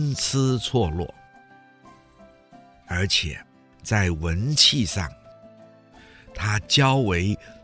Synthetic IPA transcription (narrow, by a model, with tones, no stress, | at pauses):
nt͡s̩ʰ˥t͡sʰwɔ˥˧lwɔ̰˥˩ | ə˞˧˥t͡ɕʰjɛ̰˨˩˦ | t͡sa˥˩ɪwə˧˥nt͡ɕʰi˥˧ʂɑ̰˥˩ŋ | t̪ʰa˥t͡ɕjɑ˥ʊwe˧˥ɪ